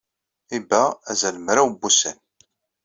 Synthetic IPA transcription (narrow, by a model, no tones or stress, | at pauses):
ibææzæləmɾawbːusən